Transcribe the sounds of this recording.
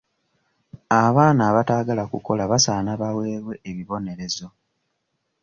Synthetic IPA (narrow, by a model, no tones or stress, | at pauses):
aβaːnaːβataːɡalakuko̞laβasaːnaβawe̞ːβwe̞ːβiβo̞ne̞ɾe̞zo̞